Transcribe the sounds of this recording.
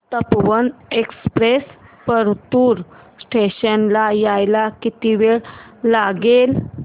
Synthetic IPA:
t̪əpʋənekspɾespəɾt̪uːɾ | sʈʰeɕənlajajlakit̪iʋeɭlaɡel

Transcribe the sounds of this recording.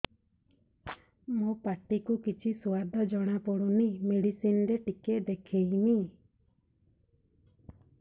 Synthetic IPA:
mopaʈikukit͡ʃʰisuad̪ʱɔd͡ʒɔɽ̃apɔɽunimeɽisinɾeʈiked̪ekʰejni

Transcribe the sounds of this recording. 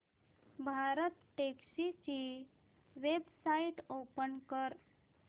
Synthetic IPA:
bʱaɾət̪ʈeksit͡ʃi | ʋebsaiʈopənkəɾ

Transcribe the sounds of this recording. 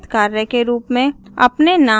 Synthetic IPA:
t̪kaːɾjəkeɾuːpmẽɐ̰pnena

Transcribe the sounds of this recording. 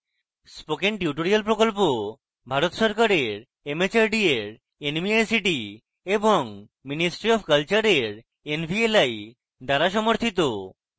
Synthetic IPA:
spokeŋʈiuʈoɾialpɾokolpo | bʱaɾot̪ʃɔɾkaɾeɾ | emet͡ɕaɾɖieɾ | enmiajsiʈi | eboŋ | minisʈɾiɔbkalt͡ɕaɾeɾ | enbʱielaj | d̪aɾaʃ̬ɔmoɾt̪ʰit̪̬o

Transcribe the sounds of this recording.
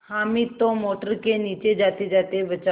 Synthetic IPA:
hamit̪omoːʈəɾkeniːt͡ʃed͡ʒat̪ed͡ʒat̪ebət͡ʃa

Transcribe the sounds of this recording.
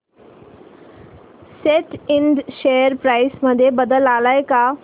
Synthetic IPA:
seʈɪɳɖʃeːəɾpɾaːɪsməd̪ʱjebəd̪əlaːlaːeka

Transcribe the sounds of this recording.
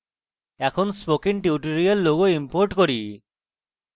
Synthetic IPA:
ɛkʰɔnspokiŋʈiuʈoɹialːoɡɔimpoɹʈkoɹi

